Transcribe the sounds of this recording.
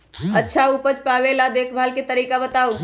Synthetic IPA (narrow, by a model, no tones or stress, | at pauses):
ətːʃʰaupət͡ʃpaʋelad̪eːkʰbʱalket̪əɾiːkabət̪au